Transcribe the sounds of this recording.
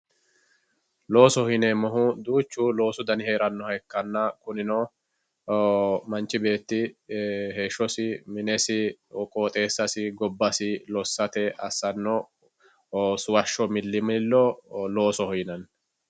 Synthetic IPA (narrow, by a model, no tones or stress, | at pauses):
lo̞ːsɔhɔɪnɛmɔɦʊd̪uːt͡ʃːuːlo̞ːsʊd̪ɐnɪheːɾɐnːɔhɐjkːɐnːɐkʊnɪno | mɐnt͡ʃːɪbe̞ːt̪ːɪ | he̞ːʃːɔsɪmɪnɛsɪɔkʼoːt̪ʼe̞ːsːɐsɪɡɔbːɐsɪlɔsːɐt̪ɛʔɐsːɐnːɔ | sʊwɐʃːɔmɪlːɪmɪlːɔlo̞ːsɔhɔjnɐn